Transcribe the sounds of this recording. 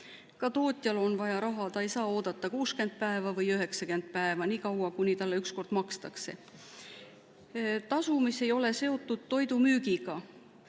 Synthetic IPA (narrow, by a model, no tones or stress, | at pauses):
kɑt̪o̞ːt̪ʲˑjɑlo̞nvɑjɑɾɑɦɑt̪ɑejsɑːoːd̪̥ɑt̪ˑːɑkuːske̞nd̪̥̚pæevɑvɤjyɦe̞ksɑke̞nd̪̥̚pæevɑniːkɑwɑkunʲit̪ɑlːe̞yksko̞rd̪̥mɑkst̪ɑkse̞̰ | t̪ɑsumisːe̞jo̞le̞se̞o̞t̪ːud̪̥̚t̪ːo̞jd̪umyːɡiɡ̥ɑ